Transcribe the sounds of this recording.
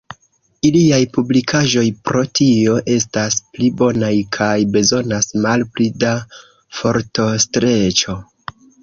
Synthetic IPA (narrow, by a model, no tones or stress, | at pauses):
iliajpublikʰaʒo̞jpɾo̞tio̞ʔe̞stasplibo̞najkʰajbe̞zo̞nasmalplida | fo̞ɾto̞stɾe̞t͡ʃo̞